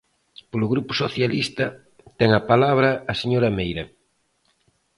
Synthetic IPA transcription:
polʊɣɾupʊ̥soθjalist̪ɐ | t̪ɛŋɐpalaβ̞ɾɐːseɲoɾɐmejɾɐ

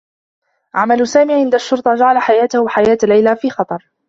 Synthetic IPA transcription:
ʕamalʊsaːmiːʕɪnd̪aʃːʊɾt̪ˤɑd͡ʒaʕalaħajaːt̪ahħajaːt̪lːajlafiːxɑt̪ˤɑɾˤ

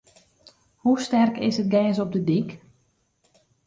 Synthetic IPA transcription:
hustɛrkɪsət̚ɡɛːnsɔp̚dədik

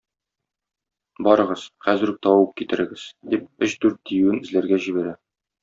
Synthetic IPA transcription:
bɒɾɤ̆ʁɤz̥χæzɘ̆ɾ̚t̪ɒwɤp̚kit̪ɘ̆ɾɘ̆ɡɘz̥d̪ip̚ɵɕd̪ʉɾt̪̚ːijʉwɘnɘ̆zlæɾɡæʑibæɾæ

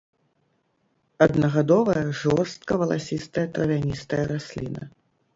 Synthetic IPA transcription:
ɐd̪nɐɣad̪ɔvɐjɐʐɔrst̪̚kɐvɐlˠasʲist̪ɐjɐt̪ɾɐvʲanʲist̪ɐjɐɾasʲlʲḭnɐ̰

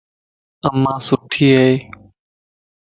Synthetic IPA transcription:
əmːãːsʊʈʰːiːɦeː

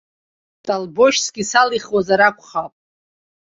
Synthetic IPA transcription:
tʼalboʃsɡʲisaliχwazaɾakʷʰʼχapʼ

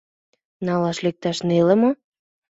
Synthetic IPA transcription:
nɑlɑʃlek̚t̪ɑʃnelə̆mo

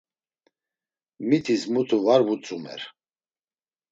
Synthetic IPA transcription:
mit̪ʰismut̪ʰuvaɾvut͡sʼumɛ̰ɾ

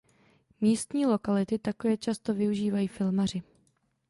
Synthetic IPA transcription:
miːst̪ɲiːlo̞kalɪt̪ɪt̪akovɛt͡ʃast̪o̞vɪuʒiːvajiːfɪlmar̝ɪ

